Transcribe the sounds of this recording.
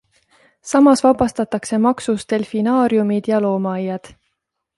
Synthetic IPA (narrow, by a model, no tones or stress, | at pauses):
sɑmɑsvɑbɑst̪ɑt̪ːˑɑkse̞mɑksust̪e̞lfinɑːɾjumid̪̥jɑlo̞ːmɑɑjːɑd̪̥